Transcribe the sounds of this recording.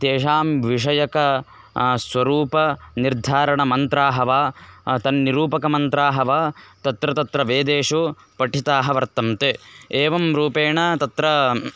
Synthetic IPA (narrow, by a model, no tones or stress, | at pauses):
t̪eːʂaːmʋiʂɐjɐkɐ | sʋɐɾuːpɐniɾd̪ʱaːɾɐɳɐmɐnt̪ɾaːɦɐʋaːt̪ɐnːiɾuːpɐkɐmɐnt̪ɾaːɦɐʋaːt̪ɐt̪ɾɐt̪ɐt̪ɾɐʋeːd̪eːʂu | pɐʈit̪aːɦɐʋɐɾt̪ɐmt̪eeːʋɐmɾuːpeːɳɐt̪ɐt̪ɾɐ